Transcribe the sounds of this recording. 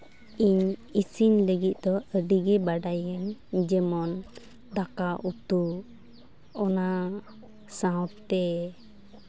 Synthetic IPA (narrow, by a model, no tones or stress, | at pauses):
iɲisinləɡit̪̚ˀd̪ɔəɖiɡɛbaɖajəɲd͡ʒɛmɔn | d̪akaʔut̪u | ɔna | sãwtt̪ɛ